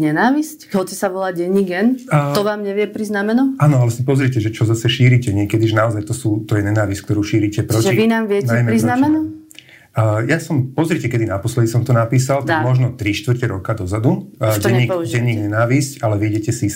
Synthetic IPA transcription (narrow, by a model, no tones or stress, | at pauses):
ɲɛnaːʋiscɦɔt͡sɛsaʋɔlaɟɛɲːiɡɛnːt̪ɔʋaːmɲɛʋɪɛpɾiznamɛnuaːnɔalɛsipɔzɾicɛʒɛt͡ʃɔzasɛʃiːɾicɛɲɪɛkɛd̪iʒɛnaɔzajt̪ɔsuːt̪ɔjɛɲɛnaːʋisckt̪ɔɾuːʃiːɾicɛpɾɔʒɛiʋinaːmʋɪɛnaɛjmɛɾiznamɛnu | jasɔmpɔzɾicɛkɛd̪inapɔslɛd̪isɔmt̪ɔnapiːsalt̪aɡmɔʒnɔt̪ɾiʃt̪ʋr̩cɛɾɔkad̪ɔzad̪uɟɛɲɲːiɛɲːiːɡɲɛnaːʋiscalɛʋɪɛɟɛcɛsi